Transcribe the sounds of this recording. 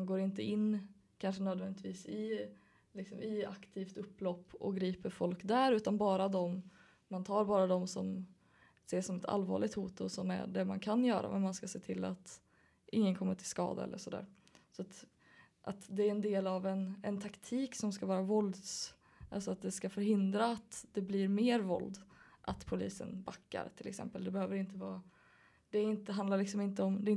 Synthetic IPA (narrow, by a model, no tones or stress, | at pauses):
nɡoːɾɪnt̪əɪnː | kʰanʂənøːd̪vɛnɪt̪ʰviːsɪ | lɪksɔmɪa̰kt̪ʰiːft̪ɵpːlɔpːɔ̰ɡɾiːpəɾfɔlkd̪æɾʉ̟ːt̪anbɑːɾad̪ɔm | mant̪ʰɑːɾbɑːɾad̪ɔmsɔm | seːʂɔmɛt̪ʰa̰lvɑ̰ːɭɪɡt̪huːt̪ʊsɔmæ̰ɖɛmankʰanjœːɾa̰mɛ̰nmanskaseːt̪ʰɪlːa̰t̪ | ʔɪŋːənkʰɔmːəʈʰɪlskɑ̰ːd̪a̰ɛ̰lːə̰ʂɔd̪æ̰ːɾ | sɔat̪ | ʔat̪d̪ɛæɾɛnd̪eːlavɛnɛnt̪ʰakt̪ʰiːksɔmskavɑːɾavɔld̪s | ʔalsɔat̪̚d̪ɛskafœɾɦɪnd̪ɾaːt̪d̪ɛbliɾmeːɾvɔ̰ld̪ʔat̪pʰʊliːsə̰nbakːa̰ɾt̪ʰɪlɛksɛ̰mpəld̪ɛbɛhøːvəɾɪnt̪əvɑːɾa | d̪̥ɛɪnt̪əɦand̪aɾɭɪksɔmɪnt̪əɔmd̪ɛɪn